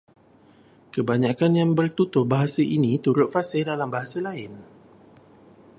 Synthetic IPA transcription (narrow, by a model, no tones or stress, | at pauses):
kəbaɲakanjaŋbərt̪ut̪ʊh̚baɦasaʔinĩt̪uɾʊt̪̚fasɪldalambaɦasalaɪn